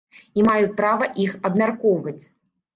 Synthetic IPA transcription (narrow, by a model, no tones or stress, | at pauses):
imajut͡sʲpɾavɐʔixɐbmʲarkɔwvɐt͡sʲ